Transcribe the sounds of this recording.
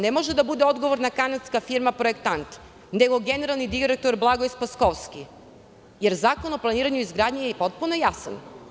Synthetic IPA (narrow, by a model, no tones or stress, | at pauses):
nemo̞ʒed̪abud̪eo̞d̪ɡo̞ʋo̞ɾnakanad̪skafiɾmapɾoekt̪ant̪ | ne̞ɡo̞ɡe̞ne̞ɾalˠnid̪iɾek̚t̪oɾblˠaɡoispaskoʋski | je̞ɾzaːko̞no̞plˠaniːɾaɲuizɡɾaːd̪ɲejepo̞t̪̚punojasa̰n